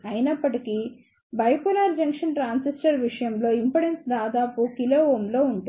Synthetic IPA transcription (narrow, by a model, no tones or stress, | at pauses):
ɐjinɐpːɐʈiki | bɐjkulaːɾd͡ʒɐŋkʂɐnʈɾaːnsisʈɐɾʋiʂɐjɐmlo̞ːimpɐɽensd̪aːd̪aːpukiloːoːmlo̞ːuɳʈ